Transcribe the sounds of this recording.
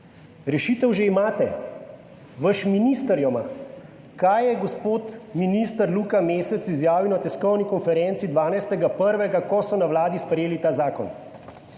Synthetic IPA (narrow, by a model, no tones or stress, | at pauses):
ɾɛʃit̪ɛwʒeimaːt̪ɛ | ʋəʃminist̪əɾjɔma | kaːjːɛɡɔspoːt̪minist̪əɾluːkameːsɛt̪sizjaːʋinɔt̪ɛskɔwnikɔnfɛɾɛntsid̪ʋaːnajst̪ɛɡapəɾʋɛɡakɔsɔnawlaːd̪ispɾɛjeːlit̪aːzaːkɔ̰n